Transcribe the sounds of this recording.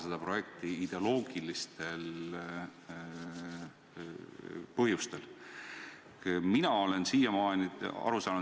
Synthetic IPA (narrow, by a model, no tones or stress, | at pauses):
sed̪̥ɑpro̞je̞k̚t̪iid̪̥e̞o̞lo̞ːɡ̥ilist̪e̞l | pɤɦjust̪e̞l | minɑo̞le̞nsiːjɑmɑːniɑ̰ɾusɑːnu